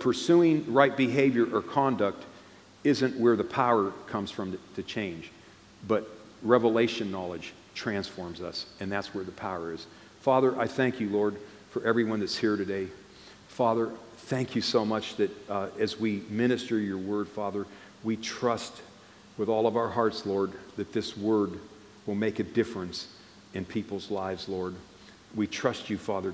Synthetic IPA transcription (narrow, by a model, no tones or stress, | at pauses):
pʰə˞sʉɪ̃ŋɹaɪt̚b̥ɨɦeɪvjə˞ʔə˞kʰɑ̃ndʌk̚t | ɪzɨ̃nʔwə˞ðəpʰaʊə˞kʰʌ̃mz̥fɹʌ̃mtʰɨt͡ʃʰẽɪ̃nd͡ʒ | b̥ʌt̚ | ɹɛvəleɪʃɨ̃nːɑlˠɨd̥ʒ̥ | tʰɹ̥æ̃nsfɔɹmzʌ̰sɨ̃nðætswə˞ðɨpʰaʊə˞ɪz̥ | fɑðə˞ʔaɪθæ̃ŋkʰjɨlɔɹd̥ | fə˞ʔɛvɹiwʌ̃nðɨtshiɹɾɨdeɪ | fɑðə˞ | θæ̃ŋkʰjɨsoʊmʌt͡ʃðɨɾɨzwimɪ̃ɾ̃ɨstə˞jə˞wɜ˞d̥fɑðə˞ | witʰɹ̥ʌst̚ | wəðɔlˠʌvaʊə˞ɦɑɹtslɔɹd̪̚ðɨt̪̚ðɪswɜ˞d̚ | wəlˠmeɪkɨdɪfɹɨ̃ns | ɨ̃npʰipl̩ˠzlaɪvzlɔɹd̚ | witʰɹ̥ʌst͡ʃɨfɑðə˞